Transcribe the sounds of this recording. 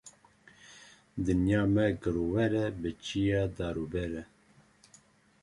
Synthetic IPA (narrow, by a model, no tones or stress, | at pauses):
d̪ɨnjɑːmɛɡəɾowɛɾɛbət͡ʃʰijɑːd̪ɑːɾubɛɾɛ